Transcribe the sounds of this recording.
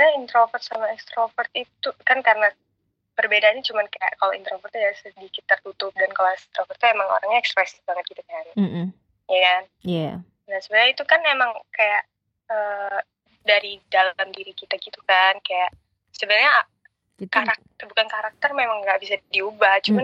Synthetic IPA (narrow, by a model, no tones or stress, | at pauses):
ɲaint̪ɾofərt̪samaɛkst̪ɾofərt̪it̪ukankaɾəna | pərbedaːɲat͡ʃumankaja̰ʔkaloḭnt̪ɾofərt̪ujasədikɪt̪ːərt̪ut̪ʊp̚dankaloɛst̪ɾofərt̪uemaŋo̰ɾaŋɲaɛkspɾɛsɪbaŋət̪̚kit̪ukan̩ | jakanja | nahsəbənɲait̪ukanemaŋkajaʔ | əː | daɾidalamdiɾikit̪aɡit̪ukankajaʔ | səbənarɲa | kaɾak̪̚əbukankaɾak̚t̪ərmemaŋɡaʔbis̬adiubaht͡ʃuman